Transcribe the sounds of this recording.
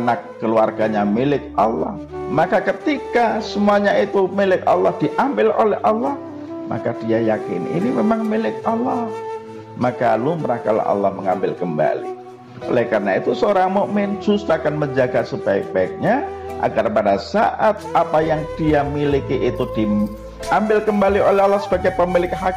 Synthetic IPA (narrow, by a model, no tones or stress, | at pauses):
nakːəluarɡaɲamilɪk̚ɑ̰lːɔ̰h | makakət̪ikasəmuaɲait̪umilɪk̚ɑlːɔhd̥iʔambɪlolɛhʔɑlːɔh | ma̰kad̥iajakɪ̰nḭnimemaŋmilɪk̚ɑlːɔh | makaluməɾaka̰la̰hɑ̰lːɔhməŋambɪlkəmba̰lḭ | o̰lɛkaɾənait̪usəoɾaŋmomɛnd͡ʒust̪aakanməɲd͡ʒaɡasəb̥aɪk̚b̥aɪk̚ɲaʔa̰ɡarpadasa̰ʔat̪̚apajaŋd̥iamilikiʔːt̪ud̥i | ambɪlkəmbaliolɛɦɑlːɑhsəb̥aɡajpəmilɪk̚hak